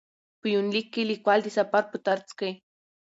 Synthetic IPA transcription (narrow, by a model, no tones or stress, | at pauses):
pujunlikilikʷalt̪isapaɾput̪aɾt͡ske